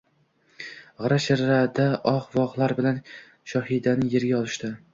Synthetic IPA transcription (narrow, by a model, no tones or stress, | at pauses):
ʁɨɾaʃaɾːad̪aʔɒqvɒʁlˠaɾbɪlan | ʃɒhid̪anɪjeɾɡʲaɒlˠɪʃt̪ɪ